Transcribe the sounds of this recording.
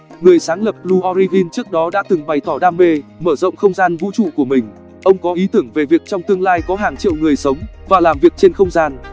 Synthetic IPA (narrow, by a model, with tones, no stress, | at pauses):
ŋɨ˨˩əjsaː˨˦ŋlə˨˩p̚lu˧ʔɔ˧ɾi˧vi˧nt͡ɕɨ˦˥ək̚ɗɔ˨˦ɗa̰ː˧˥t̪ɨ˨˩ŋɓa˨˩jt̪ʰɔ˧˩ɗaː˧mːe˧məː˧˩zə̰˧˨wŋ͡mxə˧wŋ͡mzaː˧nvṵ˧˥t͡ɕṵ˧˨ku˧˩əmï˨˩ŋ̟ | ʔə˧wŋ͡mkɔ˨˦ʔi˨˦t̪ɨ˧˩əŋve˨˩vi˨˩ək̚t͡ɕɔ˧wŋ͡mt̪ɨ˧əŋlaː˧jkɔ˨˦ɦaː˨˩ŋt͡ɕḭ˧˨wŋɨ˨˩əjsə˨˦wŋ͡mvaː˨˩laː˨˩mvi˨˩ək̚t͡ɕe˧nxə˧wŋ͡mzaː˧n